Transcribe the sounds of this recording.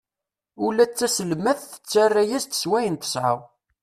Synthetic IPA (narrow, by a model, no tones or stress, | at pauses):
ulæt͡sːæsəlmæθθə̥t͡sːærːæjæzt̪ə̥swæjənt̪ə̥sʕa̰w